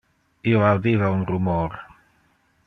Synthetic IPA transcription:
ioawd̪ivaunrumɔɾ

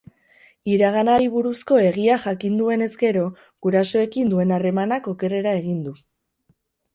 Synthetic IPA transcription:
iɾaɣ̞anaɾiβuɾusko̞e̞ɣiaxakind̪ue̞ne̞zɡe̞ɾo̞ | ɣ̥uɾaso̞e̞kind̪ue̞nare̞manako̞ke̞re̞ɾae̞ɣind̪u

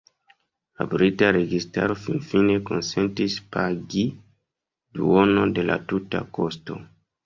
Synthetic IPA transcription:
a̰bɾitaɾe̞ɡistaɾo̞finfine̞ko̞nse̞ntispaɡi | duo̞no̞de̞lʔa̰tuta̰ko̞sto̞̰

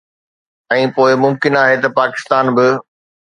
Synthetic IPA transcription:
ɛ̃ːpoːɪmʊ̃mkɪnaːɦet̪ɐpaːkɪ̥st̪aːnbɪ

